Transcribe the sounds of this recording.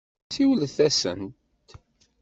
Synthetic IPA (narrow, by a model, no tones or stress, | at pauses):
siwəlθæsə̰nt̪